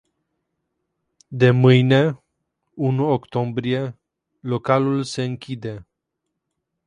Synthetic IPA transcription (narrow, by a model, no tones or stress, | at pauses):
d̪e̞mɨjne̞ | unuokt̪o̞mbɾie̞ | lo̞kalulse̞ɨŋkʲid̪e̞